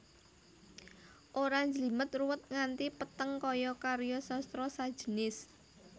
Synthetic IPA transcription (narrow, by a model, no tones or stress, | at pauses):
ʔoɾaɲd͡ʒəlimət̪̚ruwət̪̚ŋant̪ipət̪əŋkɔjɔkaɾjɔsɔst̪ɾɔsad̥ʒ̥ənɪs